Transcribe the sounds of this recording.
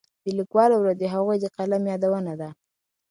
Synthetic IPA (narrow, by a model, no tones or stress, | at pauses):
d̪əlikwɑlawɾad̪eɦaɣujd̪əqalamjɑd̪awənad̪a